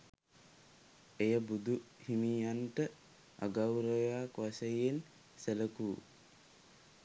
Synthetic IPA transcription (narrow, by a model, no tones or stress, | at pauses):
ejəbud̪u | himiːjanʈə | a̰ɡawɾəjaːkʋasejen | seləkuː